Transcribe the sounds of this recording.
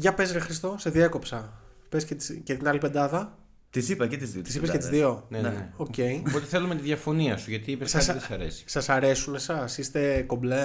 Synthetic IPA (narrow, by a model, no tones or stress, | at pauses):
ʝɐpe̞zɾexɾist̪o̞seðiɐko̞psɐ | pescet̪i̥scet̪inɐlipe̞d̪ɐðɐ | t̪isipɐket̪izðioi̥sipeset̪izðio̞neneeoce̞ipot̪eθelumet̪iðʝɐfo̞niɐsuʝɐt̪iipessɐsesɐɾḛsi̥sɐsɐɾe̞sunesɐsist̪e̞ko̞ble